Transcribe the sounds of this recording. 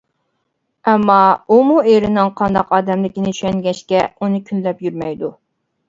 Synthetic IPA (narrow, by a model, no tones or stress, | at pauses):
ɛmːɑumueɾɪnɪŋqʰɑnd̪ɑqɑːd̪ɛmlɪkʲinɪt͡ʃʰy̥ʃɛŋɡʲɛʃkʲɛunɨkʲʰynlɛpjyɾmɛjd̪u